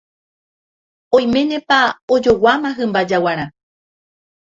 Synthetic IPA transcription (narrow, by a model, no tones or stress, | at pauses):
õj̃mẽ̞nẽ̞paod͡ʒo̞wamãɦɨ̃mbad͡ʒawaɾ̃ã